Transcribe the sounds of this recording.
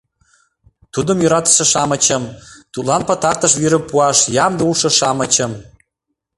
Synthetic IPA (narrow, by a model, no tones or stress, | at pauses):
t̪ud̪əmjoɾɑt̪ə̥ʃə̆ʃɑmət͡ɕəmt̪ut̪lɑnpət̪ɑrt̪ə̆ʃ̬viɾə̆puɑʃjɑmd̪əuʃɤ̆ʃɑmə̆t͡ɕə̆m